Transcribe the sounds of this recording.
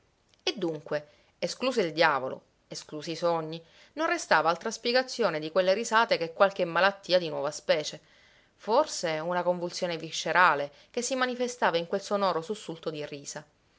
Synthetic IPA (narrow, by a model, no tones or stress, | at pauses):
ed̪ːuŋkweː | skluːs̬oild̪jaːvolo̰ | eskluːsisoɲːi | nõnrest̪aːvaalt̪ɾaspjeɡat̪sːjoːned̪ikwelːeɾizaːt̪ekekːwalk̟emːalat̪ːiːad̪inwɔ̰vaspɛːt͡ʃe | forseunakoɱvult̪sjoːneviʃːeɾaːle | k̟esːimanifest̪aːvaiŋkwelsonɔːɾosusːult̪od̪iriːsa